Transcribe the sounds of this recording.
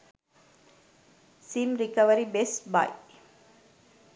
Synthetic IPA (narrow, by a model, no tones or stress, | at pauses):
simɾɪkɐʋəɾibesba̰ɪ